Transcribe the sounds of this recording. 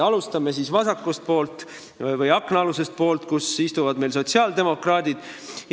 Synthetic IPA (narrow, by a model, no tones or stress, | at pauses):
ɑlust̪ɑmesisvɑsɑkːˑust̪̚po̞ːlt̪ˑ | vɤjɑkˑnɑluse̞st̪̚po̞ːlt̪kusist̪uvɑd̪me̞jlso̞t̪siɑːld̪e̞mo̞krɑːd̪̥id̪̥ | j